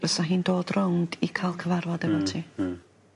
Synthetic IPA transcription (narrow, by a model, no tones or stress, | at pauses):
əsaɦiːndoːdrʊwndikʰaːlˠkʰəvarvɔdɛbɔlˠtʰiː